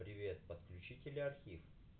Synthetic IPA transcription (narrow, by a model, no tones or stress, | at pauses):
pɾʲɪvʲe̞t̪̚pət̪klʲʉt͡ɕitʲɪlʲɐrxʲif